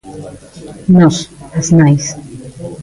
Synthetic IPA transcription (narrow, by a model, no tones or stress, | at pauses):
nɔsasnajs